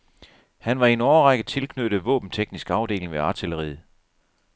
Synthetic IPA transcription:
hænʋɑ̈e̝nɒːɐʁɑɡ̥əð̩ˠt͡sʰe̝lkʰnød̥ðˠʋɔ̰̽ːb̥n̩t͡sʰeɡ̥nisɡ̥ɑ̈ʊd̥e̝̰ːlŋʋeɑ̈t͡sʰiləʁḭːð̩ˠ

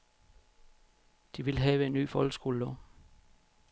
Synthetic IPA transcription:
d̥iʋe̝lɦɛːʋəe̝nːy̰ːfɒlɡ̥əsɡ̥o̝ːləlɔ

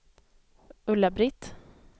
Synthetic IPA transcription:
ɵlːabɾɪt̪

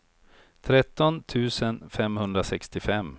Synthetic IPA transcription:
t̪ʰɾɛt̪ːɔnt̪ʰʉ̟ːsənfɛmhɵnd̪ɾasɛkst̪ɪfɛmː

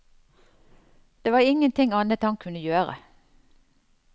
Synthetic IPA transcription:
d̪̥eːʋɑːʁɪŋənt̪ʰɪŋɑnət̪hɑŋkʰʉnəjøːʁə̰

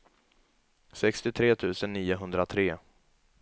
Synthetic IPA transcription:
sɛkst̪ɪt̪ʰɾeːt̪ʰʉ̟ːsənːiːʊɦɵnd̪ɾat̪ʰɾeː

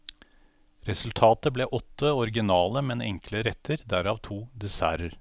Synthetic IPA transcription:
ɾɛsʉlt̪ʰɑːt̪əbleːʔɔt̪ːəɔɾɡɪnɑːləmɛnɛ̰ŋkləɾɛt̪ʰːəɾd̪æɾɑːʋt̪ʰuːd̪ɛsæ̰ːɾəɾ

